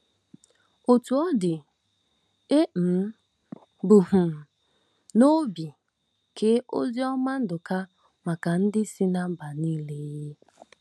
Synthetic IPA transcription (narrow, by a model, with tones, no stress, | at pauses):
o˨tu˨ɔ˦dɪ˨ | e˦m̩˨˦ | bu˨ɦʊ˨ | no˦bi˨ | kʰe˦ʔo̰˦zi˦ɔ˦ma˦n̩˦dʊ˨ka˦ | ma˨ka˨n̩˦dɪ˦si˦na˦m̩˦ba˨niː˦le˦jje˦